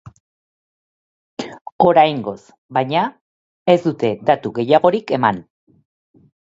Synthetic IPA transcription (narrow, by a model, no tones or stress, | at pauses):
o̞ɾajŋɡo̞s | bajɲa | e̞zd̪ut̪e̞d̪at̪uɣe̞jaɣ̞o̞ɾike̞man